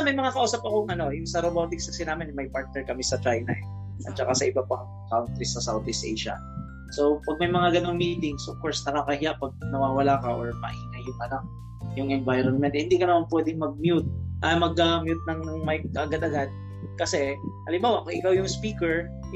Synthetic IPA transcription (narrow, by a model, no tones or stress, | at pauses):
mɐjmɐŋakɐʔuːsɐp̚ɐkoŋʔɐno̞jʊŋsɐɾobat̪ɪksɐsɪnaːmɛnɛmɐjpaɹt̪̚nɛɹkɐmisɐt͡ʃɹajnɐ̰ʔɛ | ʔɐ̰t̪̚t͡ʃɐkasɐʔɪbapɐŋ | kawnt̪ɾisɐsawt̪ɪst̪ejʃɐ̰ | sopɐɡ̚mɐjmɐŋaɡɐno̞ŋmit̪ɪŋsʔov̥koɹsnɐkakɐhɪjaʔpɐɡ̚nɐwaːwɐlaːkɐʔoɹmɐ̰ʔiːnɐjʊŋʔɐnak̚ | jʊŋʔɛnvajɾonmɛnt̪̚hɪnd̪ikɐnɐmanpwɛːd̪ɪŋmɐɡ̚mjut̪̚ɐmɐɡamjut̪̚nɐŋnʊŋmɐjʔɐɡad̪ɐɡad̪̚ | kɐsɛʔɐlɪmbaːwɐʔoʔɪkawjʊŋspiːkɛɹ